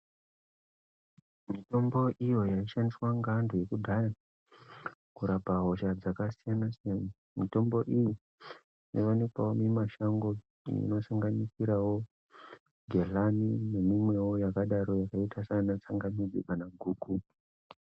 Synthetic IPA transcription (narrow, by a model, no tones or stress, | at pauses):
mito̞mbo̞ʔijo̞jaiʃandiswaŋɡandoje̞kudʱaja | kuɾapaɦo̞ʃad͡zakasijanasan | mito̞mbo̞ʔiji | ino̰ʋanikwawomimaʃaŋɡo̞ | ḭno̞saŋɡanisiɾawo̞ | ɡʱe̞ɮamine̞mimwe̞wo̞jakaɗaɾojakaitʰasanat͡saŋɡamid͡zeɓanaɡʱuːku